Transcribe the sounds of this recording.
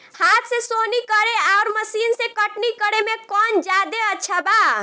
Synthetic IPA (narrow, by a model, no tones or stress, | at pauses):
hat̪ʰsesonikəɾeaoɾməsinsẽkəʈnikəɾemekɔnd͡ʒad̪eəːt͡ʃʰaba